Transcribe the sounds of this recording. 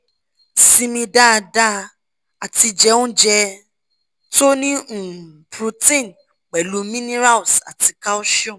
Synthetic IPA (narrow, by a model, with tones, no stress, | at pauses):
sĩ˧mĩ˧da˦˧da˦ | a˨ti˧d͡ʒɛ˧˦ũ˦d͡ʒɛ˧ | to˦nĩ˦˨pɾu˧tĩ˦˨n | k͡pɛ˨lu˨˦mĩ˦nĩ˦ɾa˦wsa̰˨ti˧ka˦o˦ʃɔ̃˦˨